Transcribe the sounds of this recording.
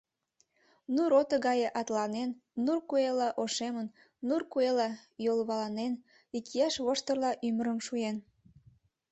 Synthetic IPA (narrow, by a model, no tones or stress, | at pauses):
nuɾot̪əɣɑjeʔɑt̪lɑnenːurkuelɑʔoʃemənː | urkuelɑjolβɑlɑnen | ikijæʃβoʃt̪ərlɑʔyməɾəmʃujen